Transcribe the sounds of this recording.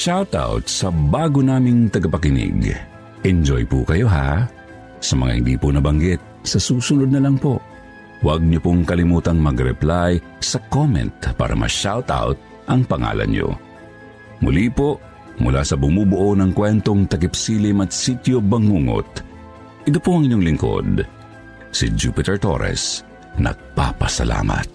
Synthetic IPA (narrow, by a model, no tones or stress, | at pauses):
ʃawt̪a̰wt̪sɐbaːɡonaːmɪŋt̪ɐɡɐpɐkɪnɪ̰ɡ | ʔɛnd͡ʒo̰jpʊkɐjoɦa̰ | sɐmɐ̰ŋa̰hɪ̰ɡ̪ḭːpʊnɐbɐŋɡɛt̪̚sɐsuːsʊnod̪̚nɐlaŋpoʔ | wɐɡ̚ɲopoŋkɐlɪmuːt̪ɐŋmɐɡɾɛ̰plaj | sɐkomɛ̰nt̪̚pa̰ːɾɐ̰mɐ̰ʃawt̪a̰wt̪̚ | ʔɐŋpɐŋa̰ːlɐ̰njo̰ | mʊlipo | mʊla̰sɐbʊmubʊʔonɐŋkwɛnt̪oŋt̪ɐkɪpsiːlɪmɐt̪sit̪jobɐŋuŋo̰t̪̚ | ʔɪd̪opoɐŋɪɲːoŋlɪŋko̞̰d̪ | sid͡ʒuːpɪt̪ɛɹt̪o̰ɾɛ̰s | nɐ̰ɡ̥̚papɐsɐla̰ːmɐ̰t̪̚